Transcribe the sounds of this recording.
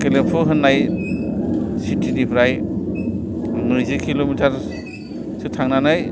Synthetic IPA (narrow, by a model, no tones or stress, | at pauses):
kelempʰɔɦɯnːaj | sitʰinipʰɾaj | mɯɾzikʰilomitʰaɾ | sɯtʰaŋnanaj